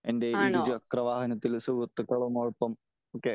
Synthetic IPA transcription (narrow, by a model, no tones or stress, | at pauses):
ende̞iɽid͡ʑɨɐkrɐʋaːhɐnɐt̪ːilsuɣɐt̪ːukːɐɭumoːɭpːɐm | oːkːe